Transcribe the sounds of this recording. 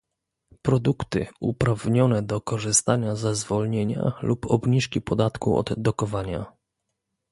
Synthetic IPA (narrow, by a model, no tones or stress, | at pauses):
pɾɔd̪ukt̪ɘ̰upɾavɲɔnɛd̪ɔkɔʐɘst̪aɲazɛzvɔlɲeɲa̰lupʰɔbɲiʂkʲipɔd̪at̪kṵɔ̰d̪ːɔkɔvaɲa̰